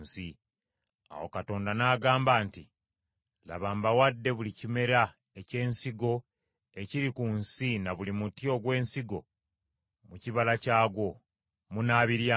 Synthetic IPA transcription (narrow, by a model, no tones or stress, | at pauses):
si | a̰wo̰kato̞ːndanaːɡaːmbaːnti | la̰βaːmbawadːe̞βulicime̞ɾa | ece̞ːnsiɡo̞ | e̞ciɾikunsinaβulimutjo̞ɡwe̞ːnsiɡo̞ | muciβalacaːɡo̞ | munaːβiɾja